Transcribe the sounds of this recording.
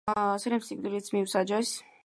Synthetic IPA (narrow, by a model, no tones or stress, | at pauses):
sɾɛmsik̚d̪ilit̪sʰmiwsad͡ʒɛs